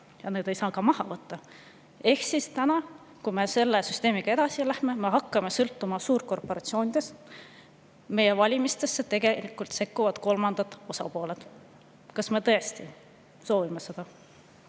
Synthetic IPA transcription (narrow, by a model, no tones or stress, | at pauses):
jɑne̞ːd̪̥e̞jsɑːkɑmɑhɑvɤt̪ːɑ | e̞hsist̪ænɑ | kujme̞se̞lːesyst̪e̞ːmiɡ̥ɑe̞d̪̥ɑsilæhme̞me̞ɦɑkːɑme̞sɤlt̪ːumɑsuːrko̞rpo̞ɾɑt̪sio̞ːnid̪̥e̞s | me̞je̞vɑlʲimist̪e̞sːe̞t̪e̞ɡ̥e̞likːˑult̪se̞kˑːuvɑd̪̥ko̞lmɑnd̪̥ɑt̪ːˑo̞sɑ̰po̞ːle̞t̪ | kɑsme̞t̪ɤest̪i | so̞ːvime̞se̞d̪̥ɑ